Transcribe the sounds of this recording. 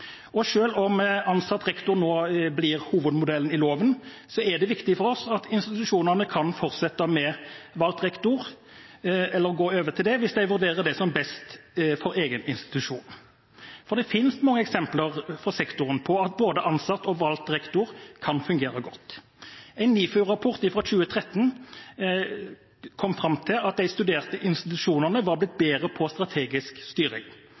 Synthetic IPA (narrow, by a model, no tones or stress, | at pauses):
ɔʂøːlɔmɑnsɑt̪ːɾɛkt̪ʊɾnoːblɪʁhuːʋəd̪mʊd̪ɛlənɪloːʋən | sɔɛd̪ɛʋɪkt̪ɪfɔɾɔsɑt̪ʰɪnst̪ɪt̪ʉʂuːnəʁnəkʰɑnfɔɾt̪sɛt̪ːɑmɛʋɑlt̪ɾɛkt̪ʊʁ | ɛlːəɾɡoːøːʋət̪ʰɪld̪ɛʋɪsd̪æɪʋʉɾd̪eːɾəd̪ɛsɔmbɛst̪fɔɾeːɡənɪnst̪ɪ̥t̪ʉʂṵːn | fɔʁd̪ɛfɪnsmɑŋːəɛksɛmpləʁfɔsɛkt̪ʊɾənpʰɔɑt̪̚boːd̪əʔɑnsɑt̪ːɔʋɑlt̪ɾɛkt̪ʊɾkʰɑnfʉŋɡeːɾəɡɔt̪ː | æɪnːiːfœʁɑpʰʊʁt̪ɪfʁɑːɕʉːət̪ʰʁɛt̪ːən | kʰɔmfɾɑmt̪ʰɪlɑt̪̚d̪æɪst̪ʉd̪eːʁt̪əʔɪnst̪ɪt̪ʉʂuːnəʁnəʋɑɾblɪt̪̚beːɾəpʰɔst̪ɾɑt̪ʰeːɡɪskst̪yːɾɪ̰ŋ